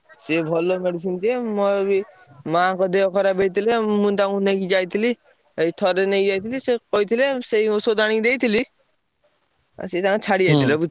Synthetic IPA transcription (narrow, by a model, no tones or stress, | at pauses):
sebʱɔlːomeɽis̬int̪iemɔɾbi | mãkɔd̪eɔkɔɾabejt̪ilemũnt̪aŋuneɡid͡ʒajt̪ʰili | eit̪ʰɔɾeneɡid͡ʒajt̪ʰilisekɔɦit̪ʰileseiosod̪aɽ̃ĩd̪ejt̪ʰili | a̰set̪aŋet͡ʃʰaɽid͡ʒajt̪ʰilebu